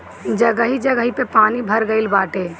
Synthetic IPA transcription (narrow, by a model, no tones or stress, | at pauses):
d͡ʒəɡəɦid͡ʒəɡəɦipepaːnibʱəɾɡəɪlbaːʈe